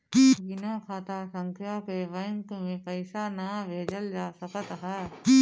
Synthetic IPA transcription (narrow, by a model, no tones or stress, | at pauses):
binakʰaːt̪aːsə̃ŋkʰjaːkeʋəŋkmẽpəɪsanabʱeːd͡ʒəld͡ʒaːsəkət̪ɦɛː